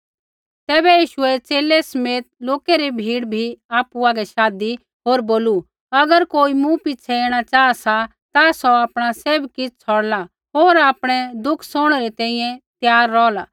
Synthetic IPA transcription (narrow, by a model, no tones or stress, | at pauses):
t̪ɛːbɛjiːʃʊɛt͡seːlɛsɐmeːt̪̚loːkeɾibʱiːɽbʱiaːpuaːɡɛʃaːd̪i | ɦoːɾboːlu | ɐɡəɾkoːimũpɪt͡ʃʰɛeːɽ̃at͡ʃaːasa | t̪asɔaːpɽ̃aseːbkɪt͡sʰɔɽla | ɦoːɾaːpɽ̃ɛd̪ʊkʰsɔːɽ̃ɾɛt̪ɛ̃ːĩjɛ̃t̪jaːɾːɔːla